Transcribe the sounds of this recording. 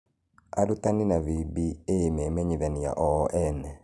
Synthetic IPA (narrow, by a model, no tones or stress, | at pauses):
aɾutaninavibiemɛmɛɲiðanija̰ʔɔʔɛnɛ